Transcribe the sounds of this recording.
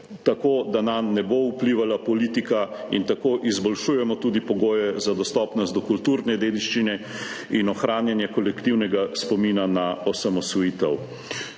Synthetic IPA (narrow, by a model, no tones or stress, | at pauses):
t̪akoːd̪anamnɛboupliʋalapɔliːt̪ikaḭnt̪akoʔizbɔlʃuːjɛmɔt̪uːd̪ipɔɡoːjɛzad̪ɔst̪ɔpnɔst̪d̪ɔkult̪uɾnɛd̪eːd̪iʃt͡ʃinɛinɔxɾaːnjɛnjɛkɔlɛkt̪iwnɛɡaspɔmiːnanaɔsamɔsʋɔjiːt̪ɛw